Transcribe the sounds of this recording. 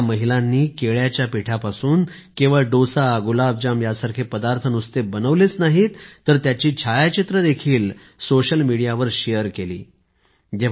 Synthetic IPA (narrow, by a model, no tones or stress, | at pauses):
məɦilanːiːkeɭjat͡ɕjapiʈʰapasuːn | kĩw̃ʋaɖosaɡulab̚d͡ʑamjasaɾkʰepəd̪aɾt̪ʰənust̪ebənəʋlet͡snaɦit̪ːəɾt̪jat͡ɕiːt͡ɕʰajat͡ɕit̪ɾəd̪ekʰiːl | soɕəlmiɽijaʋəɾɕejəɾkelḭː | d͡ʑe